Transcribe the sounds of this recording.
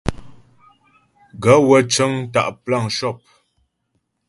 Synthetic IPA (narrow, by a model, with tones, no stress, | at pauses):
ɡə˨˦wə˨t͡ʃə˦ŋ˦ta̰˨ʔpla˦˨ŋʃɔ˦˨p̚